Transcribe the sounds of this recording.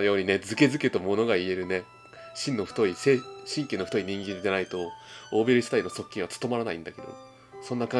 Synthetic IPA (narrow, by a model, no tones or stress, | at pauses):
jo̞ːɲ̟ine̞d͡zɨke̞zɨket̪omo̞no̞ɡaie̞ɾɯ̟ne̞ | ɕĩnːoɸt̪o̞ise̞ːɕĩŋkʲenːo̞ɸ̟ʲiɲ̟ĩŋɡʲiɲid̪enait̪o̞oːbeɾʲisi̥t̪aino̞so̞kːʲĩɰ̃βat͡sɨ̥t̪o̞maɾanaḭ̃nd̪ake̞d̪o̰ | sõ̞nːakã